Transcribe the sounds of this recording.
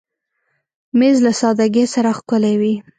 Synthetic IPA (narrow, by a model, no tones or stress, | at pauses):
mezlasɑd̪aɡesaɾaxkʊlewi